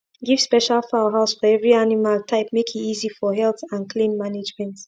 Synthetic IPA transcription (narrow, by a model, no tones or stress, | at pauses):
ɡiv̥spɛʃalfaʊɦaʊsfɔɛvɹianimaltʰaɪp̚mekʰiizifɔɦɛlθãnkʰlĩnmaned͡ʒmɛ̃nt